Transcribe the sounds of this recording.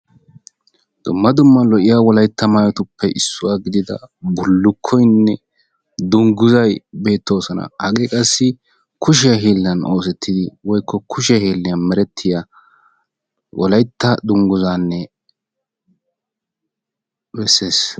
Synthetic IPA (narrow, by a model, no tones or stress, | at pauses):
d̪̥ʊmːɐd̪ʊmːɐlɔʔɪjawɔlɐjt̪ːɐmajɔt̪ʊpːɛʔɪsːʊwaːɡɪd̪ɪd̪ɐ̰bʊlːʊkʰːɔjnːɛ | d̪ʊŋɡʊzɐjbe̞ːt̪ːo̞ːsɔnɐ̰hɐkʼeːkʼɐsːɪ | kʊʃ̬ɪjɐɦeːlːɐnoːs̬ɛt̪ʰːɪd̪ɪwɔjkʰːɔkʰʊʃɪjɐheːlːɪjɐnmɛɾɛt̪ʰːɪja | wʔɔlɐjt̪ːɐd̪ʊŋɡʊzaːnːɛ | bɛsːe̞ːs